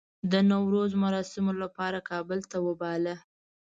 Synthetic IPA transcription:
d̪ənawɾozmaɾɑsɪmolapɑɾakɑbəlt̪awəbɑla

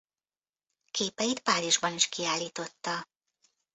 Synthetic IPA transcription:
kʰeːpɛjit̪paːɾiʒbɒniʃkiaːlːiːt̪o̞t̪ːɒ

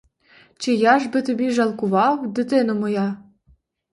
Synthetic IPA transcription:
t͡ɕĕjɑʒbɘ̆t̪ɘ̆bʲiʒɑlˠkuβɑwd̪ɘ̆t̪enŏmɤ̆jɑ

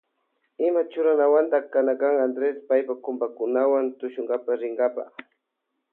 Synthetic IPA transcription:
ɪmat͡ʃʊɾanawant̪akanakaŋand̪ɾespajpakʊmbakʊnawant̪ʊʃʊŋɡapaɾɪŋɡapa̰χ

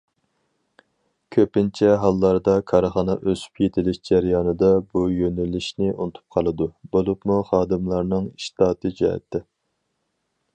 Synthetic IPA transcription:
kʲʰøpɪnt͡ʃʰɛɦɑlˠːɑɾd̪ɑkʰɑɾχɑːnɑʔøzy̥pjet̪ʰɪlɪʃd͡ʒæɾjɑːnɨd̪ɑbujønylːɪʃnɪʔunɨt̪ʰu̥p̚qʰɑlˠɨd̪ubolˠupmuχɑːd̪ɨmlˠɑɾnɨŋiʃt̪ɑːt̪ʰɨd͡ʒɑ̰ːɛ̰t̪ʰːɛ

